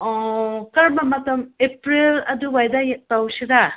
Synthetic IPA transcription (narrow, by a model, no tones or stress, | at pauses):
ɔkɐɾmamɐtɐmepɾilɐduwajdajek̚tawsɯda